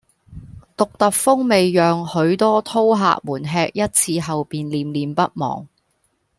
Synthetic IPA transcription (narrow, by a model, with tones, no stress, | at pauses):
t̪ʊ˨k̚t̪ɐ˨k̚fʊ˥ŋme˨jjœː˨ŋhɵ˨˧˥ɥt̪ɔː˥t̪ʰo˥wɦa̰ː˨k̚muː˨˩nɦɛː˧k̚jɐ˥t̚t͡sʰiː˧ɦɐ˨wpiː˨nliː˨mliː˨mpɐ˥t̚mɔ̰ː˨˩ŋ